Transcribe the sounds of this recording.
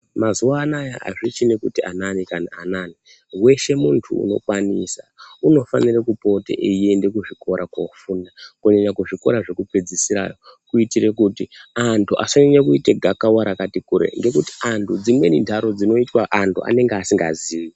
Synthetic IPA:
mazuwaːnajaʔa̰ʐit͡ʃinekutiananikanaːnani | we̞ʃe̞muntʰṵːno̞̰kwanisauno̞fanirekupo̞te̞̰ʔeiende̞kuʐiko̞ɾʔakofundakuɲeɲakuʐiko̞̰ɾaʐe̞kupe̞d͡zisiɾa̰jo̞kuitiɾe̞kutiantʰuʔa̰soniɲakuiteɡʱakawaɾakatikuɾḛŋɡe̞kuti̥antʰud͡zimwe̞nindʰʱaɾo̞d͡zino̞itwaʔantua̰ne̞ŋɡeasiŋɡaziːi

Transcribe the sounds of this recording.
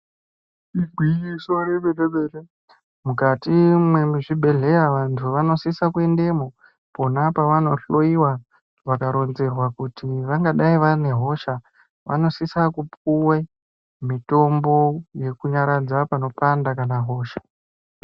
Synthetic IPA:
iɡʱwijisoneɓeleɓeːɬe | mukatimwemuʐibʱe̞ɮe̞jaʋantʰuʋano̞sisakue̞nde̞mo | po̞napaʋano̞ɬo̞iwa | ʋakaɾo̞nze̞rwakutiʋaŋɡaɗaiʋane̞ɦo̞ʃa | ʋa̰no̞sisakupuwe | mito̞mbo̞je̞kuɲaɾad͡zapano̞pandakanaɦo̞ːʃḁ

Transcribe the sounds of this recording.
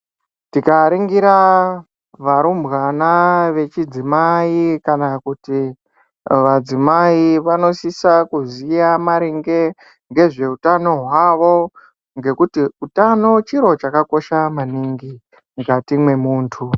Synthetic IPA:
tikaɾiŋɡiɾa | ʋaɾumbɣanaʋe̞t͡ʃid͡zimaikanakuti | ʋad͡zimaiʋano̞sisakuzijamaɾiŋɡe̞ | ŋɡe̞ʐe̞utano̞ɦwaʋo̞ | ŋɡe̞kutiutano̞t͡ʃiɾo̞t͡ʃakako̞ʃamaniŋɡi | ŋɡatimwe̞muːntʰu

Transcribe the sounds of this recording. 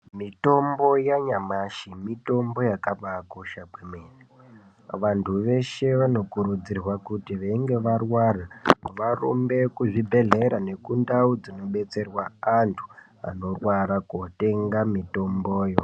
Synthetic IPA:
mito̞mbo̞jaɲamaʃimito̞mbo̞jakaɓakoʃakwemeːni | ʋantʰuʋe̞ʃe̞ʋano̞kuɾud͡zirwakutiʋeiŋɡe̞ʋarwaraʋaro̰mbe̞kuʐibʱe̞ɮe̞ɾane̞kundaud͡zino̞ɓe̞t͡se̞rwaantʰu̥ | a̰no̞rwaɾakote̞ŋɡamito̞mboːjo

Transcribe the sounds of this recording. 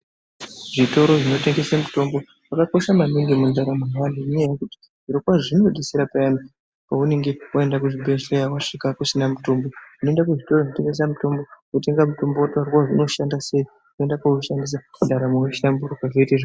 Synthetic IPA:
ʐito̞ɾo̞ʐino̞te̞ŋɡe̞samuto̞mbo̞ | wakako̞ʃamamiŋɡimundaɾamowan̤uɲajekuti̥ | ʐ̥iɾokwaʐino̞ɗisiɾapaana | paune̞ŋɡe̞wae̞ndakuʐibeʃejawaʂikakusinamuto̞mbouno̞endakuʐitoroʐinote̞ŋɡe̞s̬amuto̞mbo̞kute̞ŋɡamuto̞mbowatoarkaʐino̞ʃandase̞i | koendakauʃandis̬amundaɾamoweʃinambuɾokaʐeiteʐa

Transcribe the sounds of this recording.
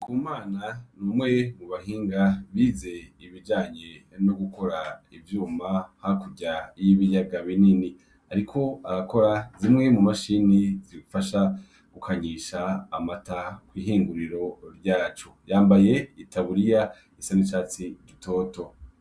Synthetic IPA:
kʰuːmaːnanuːmŋe̞muβahiːŋɡaβiːze̞iβid͡ʒaːɲe̞mnnoɡuko̞ɾaivjuːmahakuɟajiβijaɡaβinini | aɾikʰo̞aɾako̞ɾazimŋe̞mumaʃiniziɾiɡufaʃa | ɡ̥ukʰaɲiʃaːmatakwiːɦiːŋɡuɾiɾo̞ɾɟaːt͡ʃojaːmbaje̞itʰaβuɾija | esaniʃaːt͡siɟitʰo̞ːto̞

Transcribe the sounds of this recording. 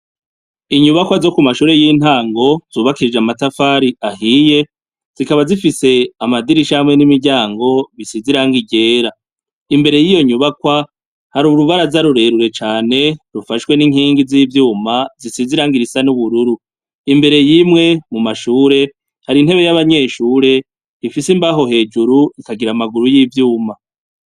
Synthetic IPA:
iɲuβakwazo̞kumaʃuːɾe̞jiːn̥aːŋɡo̞z̥uːβakiɾid͡ʒeamatafaːɾiahije̞ | z̥ikaβazifise̞amadiɾiʃahamŋe̞nimiɾɟaːŋɡo̞βisiziɾaŋɡiɟe̞ːɾa | imbe̞ɾe̞jijo̞ɲuβakwa | haɾuɾuβaɾazaɾuɾe̞ɾuɾe̞t͡ʃaːne̞ɾufaʃwe̞niŋ̥iːŋɡiziːvjuːmazisiziɾaːŋɡiɾisanuβuɾuɾu | imbe̞ɾe̞jimŋe̞mumaʃuːɾe̞ | haɾin̥he̞βe̞jaβaɲe̞ːʃuːɾe̞ | ifisimbaɦo̞ɦe̞ːd͡ʒuɾuikaɡiɾamaɡuɾujiːvjuːma

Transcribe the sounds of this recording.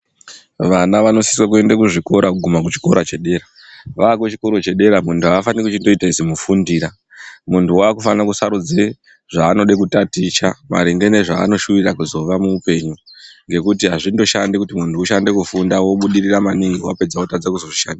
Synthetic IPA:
ʋanaʋano̞si̥swak̬ue̞ndekuʐiko̞ɾakuɡʱumak̬ut͡ʃi̥ko̞ɾat͡ʃe̞ɗe̞ɾa | ʋaːkot͡ʃi̥ko̞ɾot͡ʃe̞ɗe̞ɾamuntʰuaːfanekut͡ʃindo̞itaizimufundiːɾa | muntʰuwaːkufannakusaɾud͡ze | ʐ̥aːno̞ɗe̞kutatit͡ʃama̰ɾiŋɡe̞ne̞ʐa̰ːno̞ʃuʋirakuzo̞ʋamuːpe̞ɲuŋɡe̞kutiɦaʐindo̞ʃandekutimuntʰuːʃande̞kufundawo̞ɓuɗiriramaniŋɡiwape̞d͡zaotad͡zakuzo̞ʐiʃandia

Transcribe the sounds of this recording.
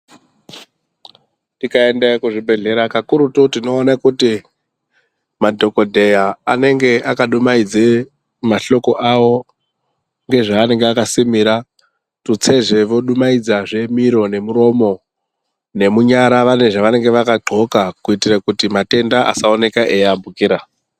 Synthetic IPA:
tikae̞ndakuʐibʱe̞ɮe̞ɾakakuɾutotino̞ːnakuti | madʱo̞ko̞dʱe̞jaane̞ŋɡe̞ʔakaɗumaid͡ze | maɬo̞ko̞ʔawo̞ | ŋɡe̞ʐaːne̞ŋɡeakasimiɾa | tut͡se̞ʐe̞ʋo̞ɗumaid͡zaʐe̞miɾo̞ne̞muɾo̞mo̞ | ne̞muɲaɾaʋane̞ʐaʋane̞ŋɡe̞ʋakaɡ͡ǃʱo̞kakuitirakutimate̞ndaʔa̰saone̞kaʔejambukiɾa

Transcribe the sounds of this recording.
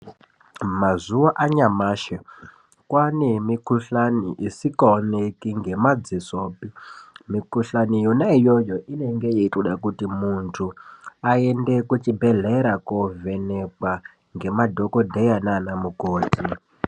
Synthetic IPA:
mazuwaʔaɲamaːʃe | kwanemikuɬaniʔisikaonekiŋɡe̞mad͡zisoːpimikuɬanijonaijojoʔine̞ŋɡe̞jeitoɗakutimuntʰuaendekut͡ʃibʱeɮeɾakove̞nekwa | ŋɡe̞madʱo̞kodʱejananamukoːti

